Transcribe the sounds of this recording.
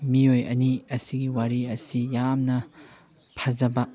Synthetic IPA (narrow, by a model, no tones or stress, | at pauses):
miojɐ̰niɐsiɡiwaɾiɐsijamnɐ | pʰɐzɐbɐ